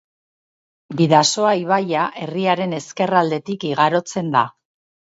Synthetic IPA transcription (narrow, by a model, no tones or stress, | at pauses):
biðaso̞aiβ̞ajaʔe̞riaɾe̞ne̞ske̞rald̪e̞t̪ikiɣaɾo̞t͡se̞nd̪a